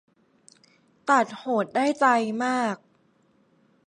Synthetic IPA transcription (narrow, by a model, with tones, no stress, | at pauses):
t̪a˨˩t̪̚hoː˩˦t̪̚daː˥˩jt͡ɕa˧jmaː˥˩k̚